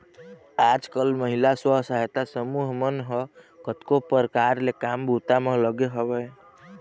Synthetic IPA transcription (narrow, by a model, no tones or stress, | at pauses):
ad͡ʒkəlməɦilaswəɦsəɦjt̪asəmuɦmənɦə | kət̪kopəɾkaɾlekambʱut̪ameləɡeɦəbɛj